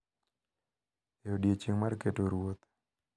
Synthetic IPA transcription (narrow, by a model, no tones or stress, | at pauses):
eodjet͡ʃiŋmarketoɾwot̪